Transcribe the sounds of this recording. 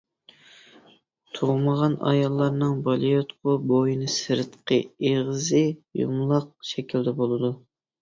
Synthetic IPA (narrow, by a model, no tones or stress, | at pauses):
t̪ʰoʁməʁɑnɑ̰jɑlˠːɑɾnɨŋbɑlˠijot̪qʰʊbojinɨsɨɾɨt̪qʰəeʁɨzɨjṵmlˠɑq̚ʃɛkʲʰild̪ɛbolˠɨd̪u